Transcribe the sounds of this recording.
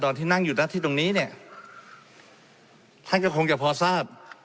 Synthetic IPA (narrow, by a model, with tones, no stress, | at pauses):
t̪ɔː˨˩nt̪ʰiː˥˩na˥˩ŋjuː˨˩na˦˥t̪ʰiː˥˩t̪o˧ŋniː˦˥˨ni˥˩ɐ | t̪ʰa˥˩nka˥˩kʰo˧ŋt͡ɕa˨˧˩pʰɔː˧saː˥˩p̚